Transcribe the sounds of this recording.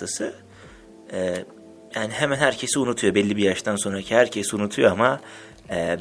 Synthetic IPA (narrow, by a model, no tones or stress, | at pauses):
ɯsɯ | ɛː | jaːniɦemænhæɾcʰe̞siunut̪ʰujo̞bɛlʲːibiɾjaʃt̪ʰanso̞nɾacʰihæɾcʰesunut̪ʰujo̞ama | ɛː